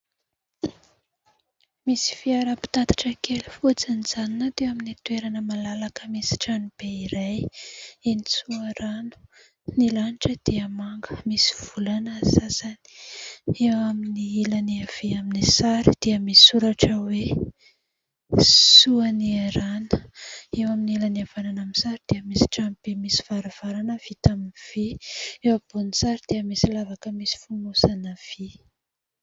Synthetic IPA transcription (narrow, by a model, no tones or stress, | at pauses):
misi̥fiaɾəpi̥t̪at̪ḁʈ͡ʂəkelufut͡sanizaninat̪ewaminit̪ueɾanəmalalakəmisi̥ʈ͡ʂanib̥eiɾajinisuaɾanu̥ | nilaniʈ͡ʂəd̪̥iəmaŋɡəmisi̥v̥ulanasasani̥ewaminiilaniav̥eaminisaɾid̪̥iəmisi̥suɾaʈ͡ʂəwe | suanieɾanə̥ewaminilaniavananamisaɾid̪̥eəmisi̥ʈ͡ʂampemisi̥v̥aɾav̥aɾanəv̥it̪aminiv̥iewab̥unit͡saɾid̪̥eəmisilavakəmisi̥fumusanəv̥i